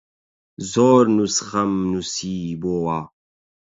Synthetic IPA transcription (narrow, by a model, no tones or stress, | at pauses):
zoːɾnusχɐmnusiːboːwaː